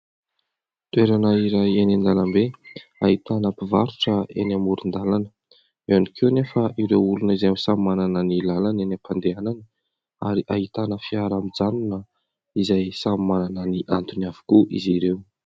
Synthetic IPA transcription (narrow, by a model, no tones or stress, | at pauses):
t̪ueɾanəiɾajenand̪alambeait̪anapivaɾuʈ͡ʂəḛnamuɾund̪alanə̥ | eanikʰewnefaʔiɾewulunəizajmsammananənilalanenapʰand̪eananə | a̰ɾiʔaɦit̪anəfiaɾamid͡zanunə | izajsammananəniʔant̪uniavu̥kuʔḭziɾew